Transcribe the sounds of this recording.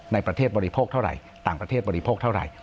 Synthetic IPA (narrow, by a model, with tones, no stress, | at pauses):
na˧jpɾa˧t̪ʰeː˥˩t̪̚bɔː˧ɾi˦˧pʰoː˥˩k̚t̪ʰa˥˩wɾa̰˨˩j | t̪aː˨˩ŋpɾa˧eː˥˩bɔː˧ɾi˦˧pʰoː˥˩k̚t̪ʰa˥˩wɾa̰˨˩j